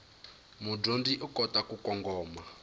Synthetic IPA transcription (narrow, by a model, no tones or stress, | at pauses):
mudondiʔukɔtakukɔŋɡɔːma